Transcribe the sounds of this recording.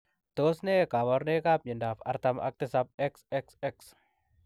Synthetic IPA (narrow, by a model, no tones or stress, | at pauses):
t̪oːsnekawɔɾnekap̚ɲɪndafɐ̰ɾt̪ɐmʔɐ̰k̚t̪ɪsap̚ɛksɛksɛks